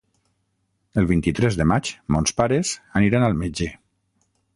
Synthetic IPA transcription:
əlˠβint̪it̪ɾɛzðəmat͡ʃmɔnspaɾezaniɾanalˠmed͡ʒe

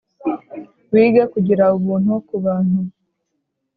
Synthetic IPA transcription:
wiːɡakuɟiɾauβuːn̥hukuβaːn̥hu

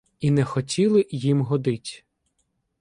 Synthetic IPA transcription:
inɛxɔtʲilˠɪjimɦɔd̪ɪtʲ

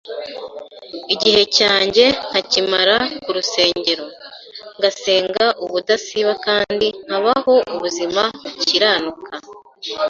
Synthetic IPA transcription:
iɟihe̞caːɲɟe̞n̥hacimaɾakuɾuse̞ːɲɟe̞ɾo̞ŋɡase̞ːŋɡaʔuβudasiβakaːndinhaβaho̞ʔuβuzimahuciɾaːnukʰa

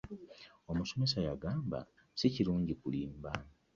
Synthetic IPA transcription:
o̞muso̞me̞sajaɡaːmba̰ | siciɾuːɲɟikuliːmba

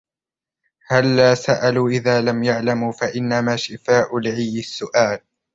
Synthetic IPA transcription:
halːaːsaʔaluːʔɪðaːlamjaʕlamuːfaʔɪnːamaːʃɪfaːʔʊlʕiːɪsːʊʔaːl

